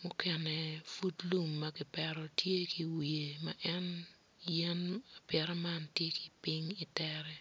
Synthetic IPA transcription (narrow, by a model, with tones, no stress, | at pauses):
mʊ˦kɛ˨nɛ˨fu˦tlu˨mːaki˨pɛɾɔ˦tʰje˦ki˨wi˨e˨maʔɛ˦n | jɛ˦na˨pjɛɾɔ˦mantje˦ki̥˨pi˦ŋi˨tɛɾɛ˦